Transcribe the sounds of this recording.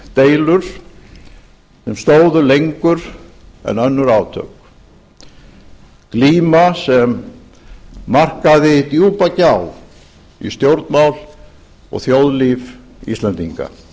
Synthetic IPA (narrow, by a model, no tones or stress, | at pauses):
t̪eːjlʏɾ̥ | sɛmst̪oːwðʏlejŋkʏɾɛ̰nœnːʏɾaːwt̪ʰœ̰k | kliːmasɛm | ar̥kaðɪt̪juːpacaːw | ḭst̪jowɾt̪nmawl | ɔ̰ɣθjowðliːv | ḭst̪lɛnt̪iŋka̰